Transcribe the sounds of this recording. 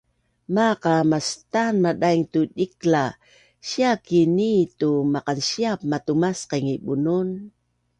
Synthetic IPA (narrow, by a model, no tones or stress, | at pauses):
maqamast̪anmadajŋt̪udikla | ʃiakinit̪umaqanʃiapmat̪umasqeŋibunun